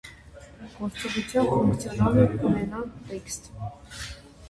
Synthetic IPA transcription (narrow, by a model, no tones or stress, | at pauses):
ɡ̥ɔɾt͡sɔʁut͡sʰjɑnfuŋt͡sʰjɔnɑlɛunɛnɑɾikst̪